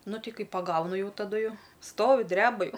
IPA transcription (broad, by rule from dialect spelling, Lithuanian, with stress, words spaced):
ˈnʊ ˈtʲɛɪ ˈkɐɪ pɐˈɡɐʊnʊ ˈjɛʊ tɐˈdʊ ˈjɛʊ ˈstoːʋʲɪ ˈdʲrʲæːbɐ ˈjɛʊ